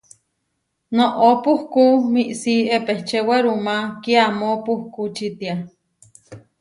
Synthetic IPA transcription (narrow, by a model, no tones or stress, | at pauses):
noʔopuhkumiʔsiepeht͡ʃeweɾumakiamopuhkut͡ʃit̪ia